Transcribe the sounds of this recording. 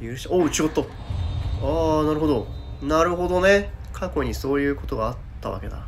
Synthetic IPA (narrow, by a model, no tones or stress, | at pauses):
jɯɯɕaoːɯ̟t͡ɕiot̪ːo | aːnaɾɯ̟ɦo̞d̪o̞ | naɾɯ̟ɦo̞d̪o̞ne̞kʰako̞ɲ̟iso̞ːjɯ̟ːko̞t̪o̞ɡaːt̪ːaβa̰ke̞̰d̪a̰